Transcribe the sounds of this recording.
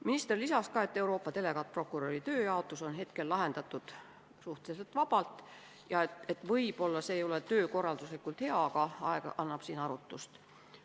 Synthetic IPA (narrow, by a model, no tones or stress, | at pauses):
minist̪e̞rlisɑskɑe̞t̪ːe̞uɾo̞ːpːˑɑt̪e̞le̞ɡɑt̪̚pro̞kˑuɾoɾit̪ø̞ːjɑot̪ːˑuso̞nɦe̞t̪ke̞lːɑɦe̞nd̪ɑt̪ːˑud̪̥ | suht̪eselt̪vɑbɑlt̪ˑ | jɑet̪e̞t̪ːˑvɤjb̥o̞lːɑse̞ːjo̞le̞t̪øːko̞rːɑld̪uslikːˑult̪he̞ɑkɑɑekɑ̰ʔɑnːɑb̥siːnɑɾut̪ˑːust̪